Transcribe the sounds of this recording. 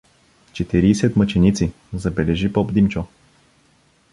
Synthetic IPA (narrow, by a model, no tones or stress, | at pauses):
t͡ʃɛt̪iɾiːsɛt̪mət͡ʃɛnit̪si | zɐbɛlɛʒipɔbd̪imt͡ʃɔ